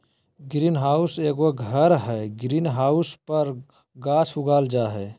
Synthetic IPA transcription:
ɡɾiːnɦaːʊseɡoɡʱəɾɦɛɡɾiːnɦaʊspəɾ | ɡaːt͡ʃʰuɡaːld͡ʒaːɦɛː

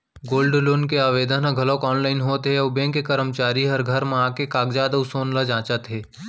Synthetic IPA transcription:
ɡoːlɖloːnkeaːʋeːd̪ənãɡʱɐlokɔːnlaːɪnɦoːt̪ɦeɔːbẽːkːekəɾəmt͡ʃaːɾiɦɐɾɡʱəɾmẽaːkekaːɡd͡ʒaːd̪əʊsoːnlad͡ʒãːt͡ʃət̪ɦeː

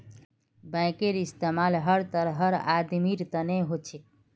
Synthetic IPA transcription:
bãɪ̃keɾist̪emalɦəɾt̪əɾɦəɾad̪miɾt̪əneɦot͡ʃʰik̚

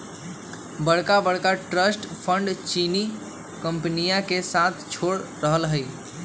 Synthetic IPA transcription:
bəɽkabəɽkaʈɾəsʈpʰəɳɖt͡ʃini | kəmpnijakesat̪ʰt͡ʃʰoɽɾəɦəlɦəɪ

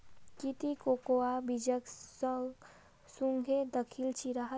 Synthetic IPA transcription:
kit̪ikokoabid͡ʒəksə | suŋɡʱed̪əkʰilt͡ʃʰiɾəɦə

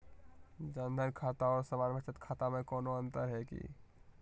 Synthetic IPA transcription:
d͡ʒənd̪ʱənkʰaːt̪aɔːɾsəmaːnbʱət͡ʃət̪kʰaːt̪amẽkɔːnoə̃nt̪əɾɦɛkḭ

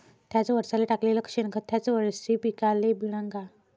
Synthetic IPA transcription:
t̪ʰjat͡sʋəɾsaleʈakleləkʂenkʰət̪ʰjat͡sʋəɾsipikalebiɽ̃ãŋɡa

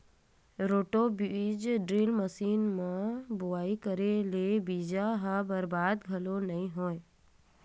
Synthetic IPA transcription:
ɾoːʈobiid͡ʒɖɾiːlməsiːnmãbʊaːikəɾelebiːd͡ʒaɦãbəɾbaːd̪ɡʱɐlonɐĩɦoːe

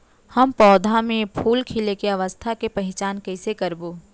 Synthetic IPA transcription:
hɐmpɔːd̪ʱamẽpʰuːlkʰɪlekeɐʋəst̪ʰakepɐɦɪt͡ʃaːnkɛɪsekɐɾboː

